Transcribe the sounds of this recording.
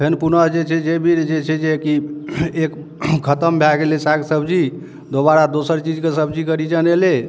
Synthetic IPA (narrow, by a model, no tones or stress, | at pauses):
pʰenpunəɦd͡ʒet͡ʃʰɛd͡ʒebʱiɾd͡ʒet͡ʃʰɛd͡ʒekiek | kʰət̪əmbʱaɡelesaksəbd͡ʒi | d̪oβaɾad̪osəɾt͡ʃid͡ʒkesəbd͡ʒikəɾid͡ʒənele